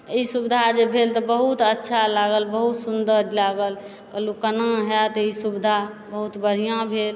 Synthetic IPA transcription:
isubd̪ʱad͡ʒebʱelt̪ɔbəɦut̪ətːʃʰalaɡəlbəɦut̪sund̪əɾlaɡəl | kəlukənãɦɛt̪ɔisubd̪ʱabəɦut̪bəɽ̤ijãbʱel

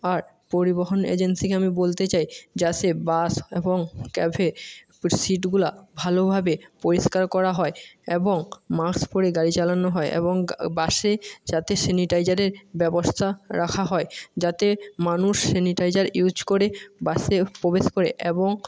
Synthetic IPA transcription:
aɾ | poɾiboɦonḛd͡ʑensikeamibolt̪et͡ɕajd͡ʑat̪ebaseboŋkɛbʱe | siʈɡulabʱalobʱabepoɾiʃkaɾkɔɾaɦɔeeboŋmakspoɾeɡaɾit͡ɕalanoɦɔeʔḛboŋbaʃed͡ʑat̪eseniʈajd͡ʑaɾeɾbɛbost̪ʰaɾakʰaɦɔed͡ʑat̪emanuʃseniʈajd͡ʑaɾjud͡ʑkoɾebaʃepobeʃkoɾḛʔeboŋ

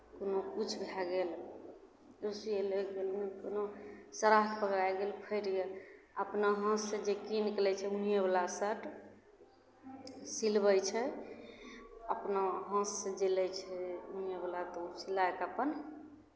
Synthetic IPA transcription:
konokut͡ʃʰbʱjaɡel | ɾusieleɡelnɛkonosəɾakʰpəɡɾajɡelpʰəjɾɡel | əpnaɦə̃sːẽd͡ʒekinkelɛt͡ʃʰɛunijebəlasəʈ | silbəjt͡ʃʰɛ | əpnaɦə̃sːẽd͡ʒelɛjt͡ʃʰɛunjeblat̪ɔusilaekəpən

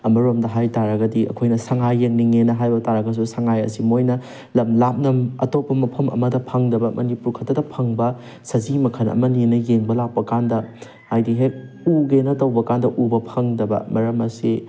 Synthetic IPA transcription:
ɐmɐɾomdɐɦajtaɾɐɡɐdiɐ̰kʰojnɐsɐŋajːeŋniŋenɐɦajbɐtaɾɐɡɐs̬usɐŋajɐ̰simojnɐ | lɐmlap̚nɐmɐ̰topːɐmɐpʰɐmɐ̰mɐdɐpʰɐŋdɐbɐmɐnipuɾkʰɐtːɐdɐpʰɐŋbɐ | sɐzimɐkʰɐnɐ̰mɐninɐjeŋbɐlak̚pɐkandɐ | ajdiɦek̚ | uɡenɐtɐwbɐkandɐʔubɐpʰɐŋdɐbɐ̰mɐɾɐmɐsi

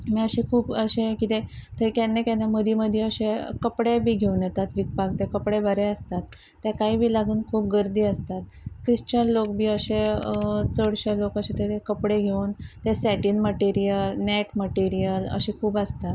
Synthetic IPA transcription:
miːəɕikʰuːpəɕẽkit̪et̪ekɛnːekaneməd̪ʱiməd̪ʱjeəɕẽkəpɽebʱiːɡʱeunjɛt̪at̪ʋit̪̚paɡ̚t̪ekəpɽebəɾeəst̪at̪ː | jakaɦiːbʱiːlaɡʱuːnkʰuːp̚ɡəɾd̪iːəst̪at̪̚ | kɾiɕt͡ɕənlok̚bʱiːəɕe | t͡səɽɕelokəɕet̪et̪ekəpɽeɡʱeuːnt̪esɛʈinməʈiɾijəlnɛʈməʈiɾijələ̰ɕiːkʰuːbəst̪at̪

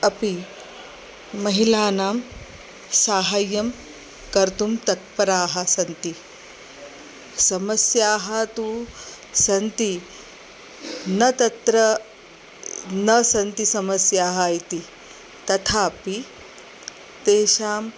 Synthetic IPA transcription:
ɐpi | mɐɦilaːnaːm | saːɦaːjːɐm | kɐɾt̪umt̪ɐt̪̚pɐɾaːɦɐsɐnt̪i | sɐmɐsjaːɦɐt̪u | sɐnt̪i | nɐt̪ɐt̪ɾɐ | nɐsɐnt̪isɐmɐsjaːɦaːjt̪i | t̪ɐt̪ʰaːpi | t̪eːʃaːm

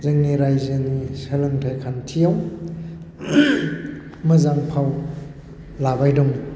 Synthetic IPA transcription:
zɯŋniɾajzɯnisɐlɯŋtʰajkʰantʰijaw | mɯzaŋpʰaw | labajdɔŋi

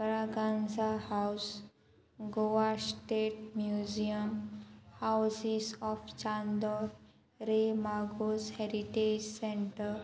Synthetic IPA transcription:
pəɾaɡãnd͡zahaws | ɡoʋaɾsʈeʈ̚mjud͡ʑiəmhawsisɔft͡ɕãnd̪ɔɾ | ɾemaɡosheɾiʈed͡ʑsẽɳʈəɾ

